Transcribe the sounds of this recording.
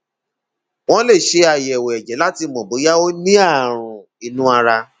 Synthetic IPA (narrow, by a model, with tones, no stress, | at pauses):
w̃ɔ̃˦le˦˨ʃe˧a˨jɛ˨wɛ˨ɛ˨d͡ʒɛ˨˦la˦ti˧mɔ̃˨bo˨˦ja˦o˦nĩ˦a˦˨ɾ̃ũ˨ | i˧nũ˦a˧ɾa˧